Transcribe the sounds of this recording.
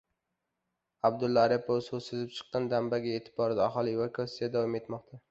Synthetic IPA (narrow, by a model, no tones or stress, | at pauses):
ab̚d̪ʊlːaːɾepʰososɪzɪp̚t͡ʃʰɨ̥qːɑnd̪ambaɡʲaet̪ʰɪ̥bɒɾɪd̪aaχɒlˠivokʰasːijad̪avɒme̞t̪mɒq̚t̪ʰa